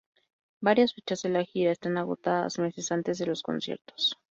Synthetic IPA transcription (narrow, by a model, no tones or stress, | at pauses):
baɾjasfet͡ʃazðelaxiɾaest̪anaɣo̞t̪aða̰zme̞se̞sant̪e̞zðe̞lo̞sko̞̰nsje̞̰ɾt̪o̥s